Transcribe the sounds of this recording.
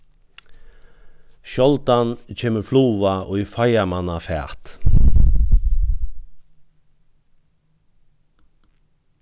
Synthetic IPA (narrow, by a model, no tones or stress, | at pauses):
ʃɔlt̪ɑnc͡çeːməfluːʋɑʔoːiːfɑɪɑmɑnɑfæ̰ːʁt̪